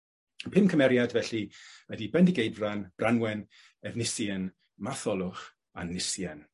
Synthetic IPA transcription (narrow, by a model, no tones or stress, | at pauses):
əpʰɪmkʰəmɛɾjadvɛɬiədibɛndɪɡejdvranb̥rʔanwɛn | ɛvnɪsjɛn | maθɔlˠʊχ | a̰nːɪsjɛn